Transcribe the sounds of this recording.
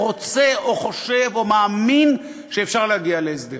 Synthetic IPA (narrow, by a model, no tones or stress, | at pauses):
ʁot͡se̞oχo̞ʃe̞vo̞maːmin | ʃeːfʃaʁleaɡialeesd̪e